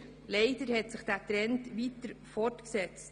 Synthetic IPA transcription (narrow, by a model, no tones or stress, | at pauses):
lɛɪdəɾhɛtsɪχd̥æːtɾɛntʋit̪əɾfɔrtksɛt͡st